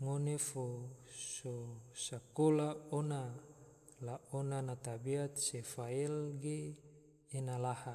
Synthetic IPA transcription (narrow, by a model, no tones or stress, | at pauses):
ŋonefososakolaona | laonanat̪abiat̪̚sefailɡeː | nalaha